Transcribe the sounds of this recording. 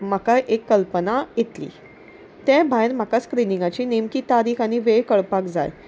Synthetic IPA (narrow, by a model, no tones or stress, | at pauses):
makaʔekːəlpənajet̪lḭː | t̪ɛ̃bʱajnm̤akaskɾinĩŋɡat͡ɕiːnemkiːt̪aɾiːkʰaɽ̃iʋekəɭpakd͡za̰j